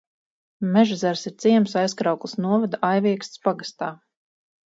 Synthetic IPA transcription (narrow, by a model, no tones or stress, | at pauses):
mɛʒazɛɾsiɾt̪siɛmsajskɾawklˠsnuɔvad̪aʔajviɛkst̪spaɡast̪aː